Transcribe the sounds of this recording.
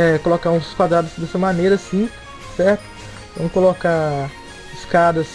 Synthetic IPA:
ɛkolokaũsʊ̥skwad̪ɾad̪ʊsd̪ɛsɐmɐneɾɐsĩ | sɛɾt̪ʊ̥ | vɐ̃mʊkoloka | ɪskad̪ɐs

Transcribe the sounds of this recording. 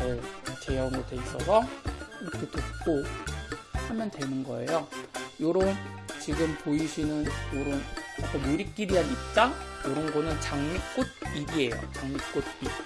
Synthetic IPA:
eʌt͡ɕe̞jaunɡʌtwe̞is͈ʌsʰʌiɾʌkʰetwet̚k͈o | hamjʌntwe̞nɯnɡʌ̰e̞̰jojoɾʌnt͡ɕiɡɯmpoiɕʰinɯnjoɾʌnak͈aneɾik̚k͈iɾiɦanit̚t͈ajoɾʌnɡʌnɯnt͡ɕaŋmik͈od̚ibie̞jo̰t͡ɕaŋmik͈ud̚ii

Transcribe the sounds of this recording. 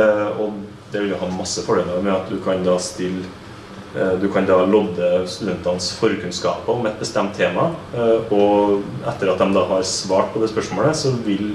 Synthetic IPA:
ɔ | d̪ɛʋɪljʊhɑːmɑsːəfɔɖeːləɑʋmɛɑt̪̚d̪ʉkʰɑnd̪ɑːst̪ɪlː | d̪ʉkʰɑnd̪ɑːlɔd̪ːəst̪ʉd̪ɛnt̪ɑnsfɔɾkʉnskɑ̰ːpəɔmɛt̪̚bəst̪ɛmt̪ʰːeːmɑɔɛt̪ːəɾɑt̪̚d̪ɛmd̪ɑːɦɑɾsʋɑːʈ̚pʰɔd̪ɛːspœʂmoːləsɔʋɪl

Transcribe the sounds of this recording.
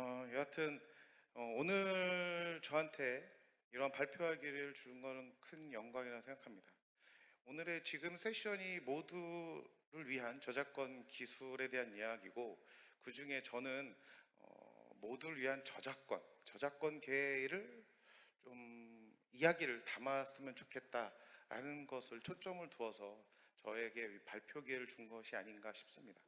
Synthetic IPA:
ʌjʌatʰɯn | ʌonɯɭt͡ɕʌɦantʰe̞ | iɾʌnpaɭpʰjoɦaɡiɾɾɯɭt͡ɕuɯnɡʌnɯnkʰɯnjʌŋɡwaŋiɾaosʰeŋɡakʰamɲida | onɯɾe̞t͡ɕiɡɯmsʰe̞ɕ͈ʰʌɲimoduɾɯɭɥiɦant͡ɕʌd͡ʑak͈wʌnkisʰuɾe̞de̞ɦanijaɡiɡokɯd͡ʑuŋe̞t͡ɕʌnɯnʌ̰moduɾɯɭɥiɦant͡ɕʌd͡ʑak͈wʌ̰nt͡ɕʌd͡ʑak͈ʌnke̞ɾɯɭ | t͡ɕom | ijaɡiɾɯɭtamas͈ɯmjʌnt͡ɕo̥kʰe̞t̚t͈aɾa̰nɯnɡʌsʰɯɭt͡ɕʰot͡ɕ͈ʌmɯɭtuʌsʰʌt͡ɕʌe̞ɡe̞paɭpʰjoɡeɾɯɭt͡ɕuŋɡʌɕʰia̰ɲinɡaɕʰi̥p̚s͈ɯmɲida

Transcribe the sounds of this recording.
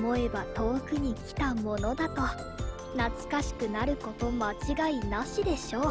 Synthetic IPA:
mo̞e̞bat̪o̞ːkɯ̟ɲ̟ikʲi̥t̪amo̞no̞d̪at̪o̞ | nat͡sɨ̥kaɕi̥kɯ̟naɾɯ̟ko̞t̪o̞mat͡ɕiɡainaɕid̪e̞ɕo̞ː

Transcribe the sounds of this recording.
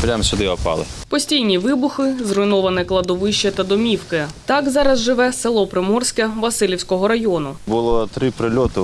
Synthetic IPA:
pɾʲamsʲʊd̪ɪɔpɑ̰lˠɪ̰pɔsʲtʲijnʲiʋɪbʊxɪzrɔjnɔʋɐnɪklˠɐd̪ɔʋɪʃt͡ʃɐt̪ɐd̪ɔmʲiwkɪt̪ɑkzɑɾɐzʒɪʋɛselˠɔpɾɪmɔrsʲkɐʋɐsɪlʲiwsʲkɔɦɔɾɐjɔnʊbʊlˠɔt̪ɾɪpɾɪlʲɔt̪ʊ

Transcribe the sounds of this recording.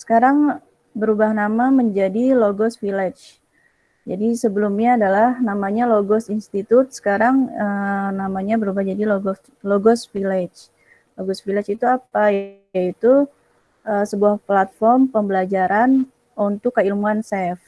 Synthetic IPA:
sə̥kaɾaŋ | bəɾubahnamaməɲd͡ʒadiloɡɔsfilɛt͡ʃ | d͡ʒadisəbəlumɲaːdalahnamaɲaloɡɔsinst̪it̪ʊt̪̚sə̥kaɾaŋənamaɲabəɾubahd͡ʒadiloɡɔ | loɡɔsfilet͡ʃ | loɡɔsfilɛt͡ʃit̪uapaj | ait̪u | ʔəsəbuahplat̪̚fɔrmpəmbəlad͡ʒaɾan | unt̪ʊkːəilmuansɛf

